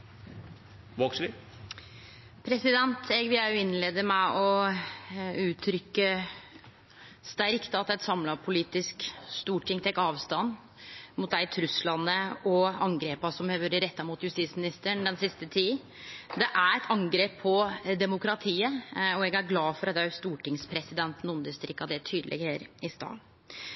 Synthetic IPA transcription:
ʋoːksɾɪ | pʰɾɛsɪd̪ɛnt̪ɛɡʋɪæɾjʊɪnleːd̪əmæʔɔ | ʉːt̪ʰɾʏkːə | st̪æɾkt̪ɑt̪ɛt̪sɑmlɑpʰʊliːt̪ɪskst̪uːʈʰːɪŋt̪ʰɛkːɑːʋst̪ɑnː | mʊt̪̚d̪æɪt̪ʰɾʉslɑnːəɔɑŋɡɾeːpɑsɔmheʋəɾəɾɛt̪ːɑmʊt̪jʉst̪iːt̪smɪnɪst̪əɳd̪ɛnsɪst̪ət̪ʰiː | d̪ɛʔæɾɛt̪ʰɑŋɡɾeːpʰːɔd̪ɛmʊkɾɑt̪ʰiːəɔɛɡæɾɡlɑːfɔɾɑt̪ːɛst̪uːʈɪŋspʰɾɛsɪd̪ɛnt̪n̩ʊnd̪əst̪ɾɪkɑd̪ɛt̪ʰyːd̪əlʔɛ̰ɡheːɾɪst̪ɑ̰ː

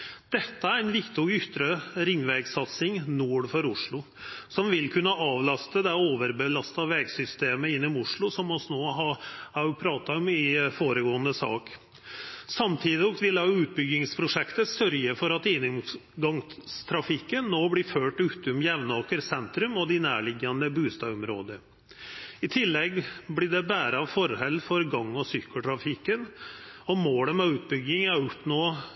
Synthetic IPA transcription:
d̪̥ɛt̪ːəæɾɛnʋɪkt̪ɪɔʏt̪ːɾəɾɪŋːʋɛɡsɑt̪sɪŋnuːɽfɔɾʊʂɭʊ | sɔmʋɪlkʰʉnːəɑːʋlɑst̪əd̪ɛoːʋəɾbəlɑst̪ɑʋɛɡsʏst̪eːməɪnːəmʊʂɭʊsɔmɔsnoːɦɑhæɾjʊpʰɾɑːt̪ɑɔmɪfoːɾəɡoːənəsɑ̰ːk | sɑmt̪ʰiːd̪ɪɔkt̪ʋɪlæʊʉːt̪̚bʏɡɪŋspʰɾʊʂɛkt̪əsœɾjəfɔɾɑt̪iːnɪmɡɑŋst̪ʰɾɑfɪkːənːoːblɪføːʈʉːt̪ʊmjɛʋnoːkəɾsɛnt̪ɾʉmɔd̪ɪnæːɭɪɡːɑnd̪əbʉːst̪ɑ̰ːɔmɾoːd̪əɾ | ɪt̪ʰɪlːɛɡblɪɖɛbæːɾəɑʋfɔɾhɛlːfɔɾɡɑŋːɔsʏkːəʈ̪ʰɾɑfɪkːənɔmoːləmɛʉːt̪̚bʏɡːɪŋæɾɔpnoː

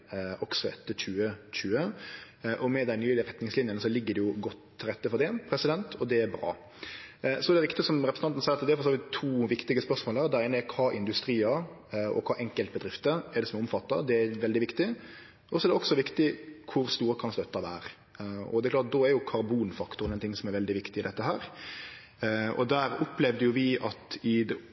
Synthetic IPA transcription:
ɔɡsɔɛt̪ːəçʉːəçʉːə | ʔɔmɛd̪æɪnyːlɪəɾɛt̪nɪŋslɪnjənəsɔlɪɡːəd̪ɛjʊɡɔt̪ʰːɪlɾɛt̪ːəfɔɾd̪ɛpʰɾɛsɪd̪ɛnt̪ʰɔd̪ɛæɾbɾɑ̰ː | sɔɛɾd̪ɛʋɪkt̪ɪəsɔmɾɛpɾəsn̩ɑnt̪n̩sæɪɾɑt̪d̪ɛæɾfɔsoːʋɪt̪ʰːuːʋɪkt̪ɪɡəspœsmoːlæɾd̪ɛæɪnəɛɾkʰɑːʔɪnd̪ʉst̪ɾiːɑ | ɔ̰kʰɑːʔɛŋkəlt̪̚bəd̪ɾɪft̪əɛɾɖ̪ɛsɔmɛɔmfɑt̪ːɑ̰d̪ɛæɾʋɛld̪ɪʋɪkt̪ɪ | ɔsɔɛd̪ɛɔksɔʋɪkt̪ɪkʰʊɾst̪uːɾəkʰɑnslœt̪ːɑʋæ̰ːɾ | ɔ̰d̪ɛɾklɑːt̪̚d̪oːæɾjʊkʰɑɾbuːnfɑkt̪ʊɾnɛɪnt̪ʰɪŋːsɔmæɾʋɛld̪ɪʋɪkt̪ɪɪd̪ɛt̪ːəɦæːɾ | ɔ̰d̪æːɾʊplɛʋd̪əjʊʋɪɑt̪ɪd̪ɛ

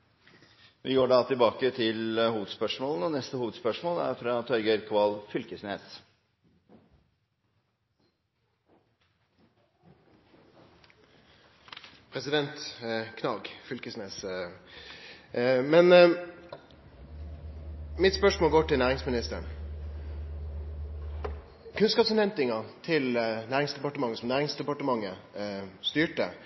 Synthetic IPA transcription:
ʋɪɡoːɖɑt̪ʰɪlbɑːkət̪ʰɪləhuːʋəd̪spœʂmoːln̩ɔnɛst̪əhuːʋəd̪spœʂmoːlæ̰ɾfɾɑt̪ʰɔɾɡəɾkʰɑlfʏlkəsneːs | pʰɾɛsɪd̪ɛnt̪kʰnɑːɡfʏlkəsneːs | mɛn | mɪt̪spœʂmoːlɡoːʈɪlnæːɾɪŋsmɪnɪst̪əɳ | kʰʉnskɑːpsɔnhɛnt̪ɪŋɑt̪ʰɪlnæːɾɪŋsd̪ɛpɑʈəmɑŋːəsɔmnæːɾɪŋsd̪ɛpɑʈəmɑŋːə | st̪yːʈə̰

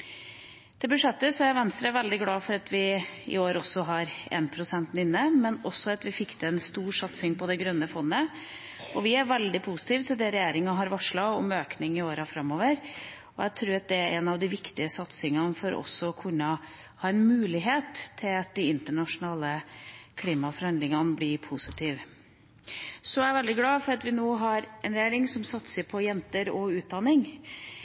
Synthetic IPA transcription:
d̥̪ɛbʉʂɛt̪ːəsɔæɪʋɛnst̪ɾɑʋɛld̪ɪɡlɑːfɔɾɑt̪ʋɪɪ̰oːɾɔsːɔɦɑɾḛːnpʰɾʊsɛnt̪nɪnːəmɛnɔsːɔɑt̪ʋɪfɪkːd̪ɛɛnst̪uːɾʂɑt̪sɪŋpʰɔd̪ɛɡɾœnːəfɔnːə | ɔʋɪæɾʋɛld̪ɪpʰusɪ̥t̪ʰiːʋt̪ʰɪld̪ɛɾɛjeːɾɪŋɑɦɑɾʋɑʂɭɑɔmøːknɪŋɪoːɾɑfɾɑmːoːʋəɾ | ɔjæɪt̪ʰɾʉːɾɑt̪̚d̪ɛæɾɛnɑʋd̪ɪʋɪkt̪ɪəsɑt̪sɪŋɑnfɔɾʔɔ̰sːɔɔkʰʉnːə | hɑːɛnmʉːlɪɦeːt̪ʰːɪlɑt̪̚d̪ɪɪnt̪əɳɑʂʊnɑːləkʰliːmɑfɔɾhɑnd̪lɪŋɑnblɪpʰusɪt̪ʰiːʋ | sɔæʋɛld̪ɪɡlɑːfɔɾɑt̪ʋɪnoːɦɑɾʔɛnɾɛjeːɾɪŋsɔmsɑt̪səɾpʰɔjɛnt̪əɾɔʉːt̪̚d̪ɑnːɪŋ

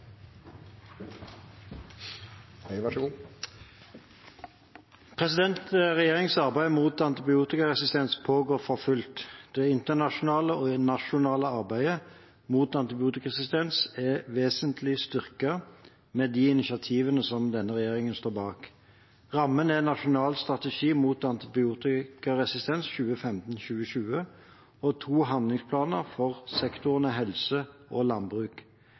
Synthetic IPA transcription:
hɛɪʋɑʃəuː | pʰʁɛsɪd̪ɛnt̪ʁɛjeːʁɪŋsɑʁbæɪmuːt̪ɑnt̪ɪbɪuːt̪ɪkɑʁɛsɪst̪ɛnspʰoːɡoːʁfɔfʉlt̪d̪̥ɛɪnt̪ənɑʃʊnɑːləoːnɑʃʊnɑːləɑʁbæɪə | muːt̪ɑnt̪ɪbɪuːt̪ɪkɑʁɛsɪst̪ɛnsɛʋeːsənt̪ʰlɪst̪ʏʁkə | mɛd̪iɪnɪʃɑt̪ʰiːʋənəsɔmd̪ɛnːəʁɛjeːʁɪŋənst̪oːbɑːk | ʁɑmːənɛnɑʂʊnɑːlst̪ʁɑt̪ɛʂiːmuːt̪ɑnt̪ɪbɪuːt̪ɪkɑʁɛsɪst̪ɛnsçʉːəfɛmt̪n̩çʉːəʃʉːə | ɔt̪ʰuːɦɑnd̪lɪŋspʰlɑːnəʁfɔʁsɛkt̪ʊʁənəɦɛlsəʔɔlɑnbʁʉːk

